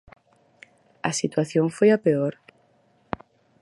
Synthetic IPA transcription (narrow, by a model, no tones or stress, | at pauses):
ɐsit̪waθjoŋfojapeoɾ